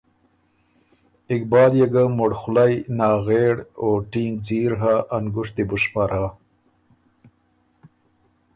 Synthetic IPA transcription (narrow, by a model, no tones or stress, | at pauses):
ɪkbɑːljeɡamoɽxʊlajnɑːɣeɽoːʈiŋɡ̚d͡ʑiːɾɦaʔːŋɡʊʂt̪ibʊʂpaɾaː